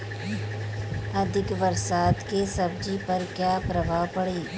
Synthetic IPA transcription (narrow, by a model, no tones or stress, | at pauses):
ɐd̪ʱɪkʋɐɾsaːt̪kesɐb̚d͡ʒipɐɾkjaːpɾɐbʱaːpɐɽeː